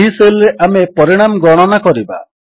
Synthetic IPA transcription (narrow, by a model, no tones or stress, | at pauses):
iselɾeʔamepɔɾiɽ̃amɡɔɽ̃ɔnakɔɾiba̰